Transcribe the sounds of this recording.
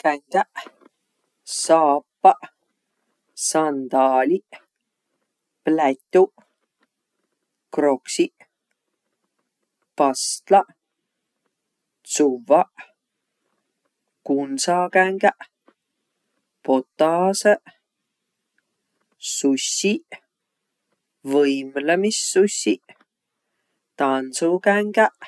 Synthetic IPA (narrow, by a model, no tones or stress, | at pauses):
kaŋɡaʔ | sɑːpːɑʔ | sɑnd̪ɑːliʔ | plæt̪ːuʔ | kɾoksiʔ | pɑst̪lɑ | t͡suvɑʔ | kunsɑːkæŋkaʔ | pot̪ːɑːsəʔ | susːiʔ | vəjmləmisːusːiʔ | t̪ɑnsukæŋkæʔ